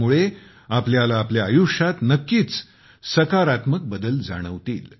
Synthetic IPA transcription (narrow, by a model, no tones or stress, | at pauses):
muɭe | apljalaːpljaːjuʂat̪nəkːiːt͡s | səkaɾat̪mək̚bəd̪əld͡za̰ɽ̃əʋt̪ḭːl